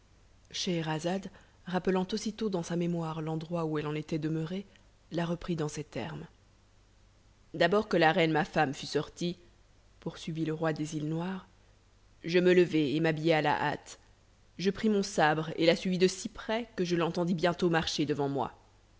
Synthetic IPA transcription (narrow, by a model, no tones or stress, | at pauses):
ʃeʁazad̪ | ʁapəlɑ̃t̪osit̪od̪ɑ̃samemwaʁlɑ̃d̪ʁwauɛlɑ̃net̪ɛd̪əməʁe | laʁəpχid̪ɑ̃sɛt̪ɛ̰ʁm | d̪abɔʁkəlaʁɛnmafamfysɔʁt̪i | puʁsɥiviləʁwad̪ezilnwaʁ | ʒəmələvɛemabijeala̰ʔa̰t̪ | ʒəpχimɔ̃sabʁḛlasɥivid̪əsipχɛkəʒəlɑ̃t̪ɑ̃d̪ibjɛ̃t̪omaʁʃed̪əvɑ̃mwa̰